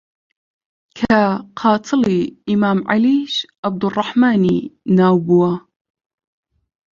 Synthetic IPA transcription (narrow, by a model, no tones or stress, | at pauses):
kʰaqʰɑːt̪ʰɨliimaːmʕa̰liʃab̚d̪urˤːɑħmaːninaːwbuwa